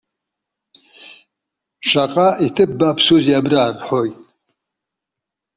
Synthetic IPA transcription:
ʃʰaqʼaʔit̪ʰɨp̚ːapsuziabɾarħɔj

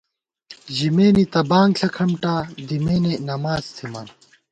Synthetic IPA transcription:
ʑimeːnit̪ɐbaːŋɡɬʰɐkʰɐmʈaːd̪imeːnenɐmaːzt̪ʰima̰ːn

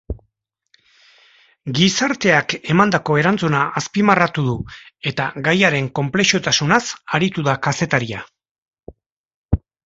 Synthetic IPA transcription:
ɡisaɾt̪e̞ake̞mand̪ako̞e̞ɾant͡sunaʔaspimarat̪uðue̞t̪aɡajaɾe̞ŋko̞mple̞ʃot̪asunasaɾit̪uðakase̞t̪aɾia

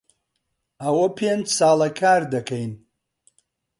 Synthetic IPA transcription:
awɐpʰend͡ʒsaːlɐkʰaːɾd̪ɐkʰɐjn

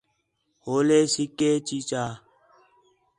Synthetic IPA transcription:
hoːleːsikːeːt͡ʃit͡ʃaː

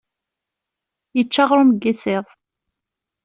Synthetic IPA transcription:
jət͡ʃːaʁɾˤʊmɡːisɪðˤ

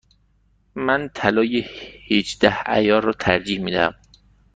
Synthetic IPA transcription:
mænt̪ʰælɒːjehid͡ʒd̪̥æhæ̰jɒːrɒːt̪ʰæɾd͡ʒiːhmiːd̪ææ̰m

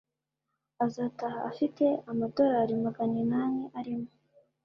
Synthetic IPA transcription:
azata̰ːfite̞amado̞ɾaɾimaɡaninaneʔaɾimo

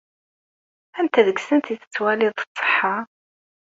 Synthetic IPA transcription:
ænt̪æðəɡsənt̪iθə̥t͡sːwæliðˤt͡sˤːə̥ħːɑ

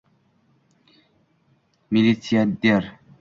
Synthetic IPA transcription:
milisiad̪eɾ

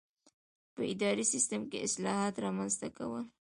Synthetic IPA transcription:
pəɪd̪ɑɾisɪst̪əmkeɪslɑhɑt̪ɾɑmanzt̪aka̰wəl

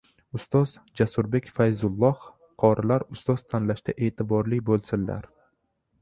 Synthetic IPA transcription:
ʊst̪ɒzd͡ʒasʊɾbe̞kʲfajzʊlˠːɒh | qʰɒɾɪlaɾʊst̪ɒz̥t̪ʰanlaʃd̪aʔe̞ːt̪ʰɪbɒɾlɪkʲbolˠsɪnla̰ɾ

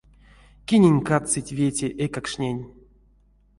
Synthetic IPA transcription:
kʲinʲenʲkat͡sɨtʲvʲetʲeʔekakʂnʲenʲ

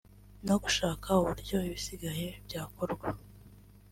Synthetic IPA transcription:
noɡuʃaːkʰauβuɾɟo̞iβisiɡaje̞bjaːko̞ɾɡwa

